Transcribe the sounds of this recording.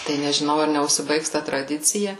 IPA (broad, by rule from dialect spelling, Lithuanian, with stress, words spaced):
tɐɪ nʲɛʒʲɪˈnɐʊ ɐr nʲɛʊʃʲsʲɪˈbɐɪks tɐ trɐˈdʲɪt͡sʲɪjɛ